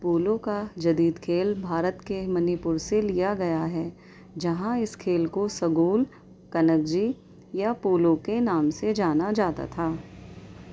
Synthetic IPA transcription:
puːlõkad͡ʒɐd̪iːd̪kʰeːlbʱaːɾət̪kemɐnɪpʊɾselijaɡɐjaɦɛː | d͡ʒɐɦãɪskʰeːlkosɐɡuːl | kɐnək̚d͡ʒi | japuːlõkenaːmsed͡ʒaːnad͡ʒaːt̪a̰t̪ʰaː

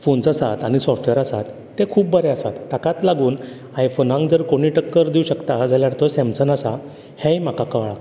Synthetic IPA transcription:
fonsasat̪aɽ̃isɔfʈʋeɾəsa̰t̪ːekʰuːp̚ːbəɾɛasa̰t̪ːakãt̪laɡuːn | ajfonãŋɡd͡zəɾkoɽ̃iːʈəkːəɾd̪iuɕəkt̪ad͡zaljaɽt̪ɔsɛ̃msənəsa | hẽjm̤akakəʋɭa

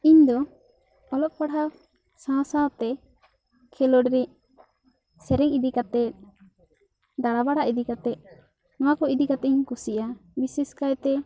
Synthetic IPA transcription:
iɲd̪ɔ | ɔlɔp̚paɽa | sãsat̪ɛ | kʰɛlɔɖɾɛ | sɛɾɛŋid̪ikat̪ɛt̪̚ | d̪aɽabaɽaʔid̪ikat̪ɛt̪̚ | nɔwakɔid̪ikat̪ɛiɲkusiʔabisɛskajt̪ɛ

